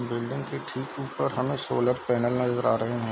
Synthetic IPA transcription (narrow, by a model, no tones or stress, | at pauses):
bɪlɖɪ̃ŋɡkeʈʰiːkuːpəɾɦɐmẽsoːləɾpɛːnəlnɐzəɾaːɾɐɦeɦɛ̃ː